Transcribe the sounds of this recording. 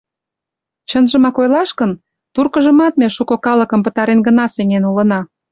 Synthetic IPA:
t͡ɕənʒə̆mɑkojlɑʃkən | t̪urkəʒə̆mɑt̪̚meʃukokɑlə̆kə̆mpət̪ɑɾenɡənɑsenʲenulə̆nɑ

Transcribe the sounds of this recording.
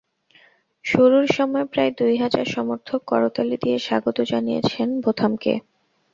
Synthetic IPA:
ʃoɾuɾʃɔmɔepɾajd̪ujɦad͡ʑa̰ɾʃɔmoɾt̪ʰokːɔɾot̪alid̪ieʃaɡot̪od͡ʑanijḛt͡ɕʰenbʱot̪ʰamkḛ

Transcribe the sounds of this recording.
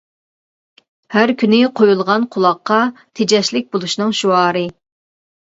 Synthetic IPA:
hæɾkʲʰynɪqʰojulˠʁɑnqʰʊlˠɑqːɑt̪ʰed͡ʒɛʃlɪk̚ʲbolˠuʃnɨŋʃuɑːɾɨ

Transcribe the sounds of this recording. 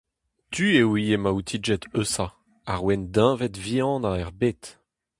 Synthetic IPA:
t̪ʰyewiemaut̪ʰid͡ʒɛt̪øsa | aʁwɛnd̪ɛ̃ːvɛt̪viɑ̃ːd̪ãɛʁbeːt̪

